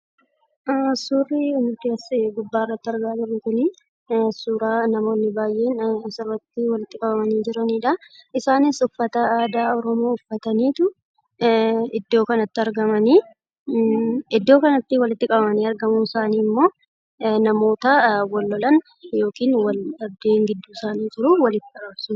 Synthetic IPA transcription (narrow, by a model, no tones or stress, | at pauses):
suːrinʊt̪ɪsɡʊbːaːrːɐt̪ːɪɐɾɡaːd͡ʒɪrːɪkʊni | suːɾaːnɐmo̞ːnːɪbaːjʔe̞ːnsɪrːɐt̪ːɪwɐlɪt̪ːɪkʼɐbɐmɐniːd͡ʒɪɾɐniːᶑɐɪsaːnɪsʊfːɐt̪ɐaːd̪aːɔɾɔmo̞ːʊfːɐt̪ɐniːt̪ʊ | ɪd̪ːo̞ːkɐnɐt̪ːɪɐɾɡɐmɐniː | ɪd̪ːo̞ːkɐnɐt̪ːɪwɐlɪt̪ːɪkʼɐbɐmɐniːɐɾɡɐmuɪsaːniːmːo̞ː | nɐmo̞ːt̪ɐwɔlːɔlɐn | jo̞ːkiːnwɐlɐbd̪e̞ːŋɡɪd̪ːuːɪsaːniːd͡ʒɪɾʊwɐlɪt̪ːɪɐɐbsʊ